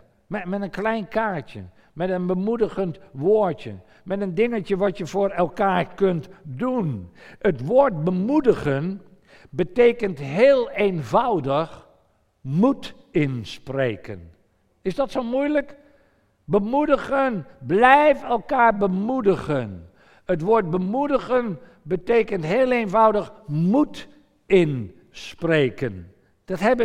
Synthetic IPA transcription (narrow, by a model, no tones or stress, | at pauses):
mɛmɛtənklɛjnkaːɹtjə̰ | mɛtənbəmudəɣəntʋoːɹtjə̰ | mɛtəndɪŋəcəʋɑtjəvʊːɹɛlˠkaːɹkɵntdunətʋoːɹt̚bəmudəɣən | bətejkəntɦeːlˠenvɑwdəx | mut | ɪnsprejkən | ɪzdɑtsomujlək | bəmudəχənblɛjfɛlˠkaːɹbəmudəχən | ətʋoːɹd̚bəmudəɣən | bətejkəntɦeːlˠejnvʌwdəχmut | ɪn | sprejkən | d̥ɑtɦɛbə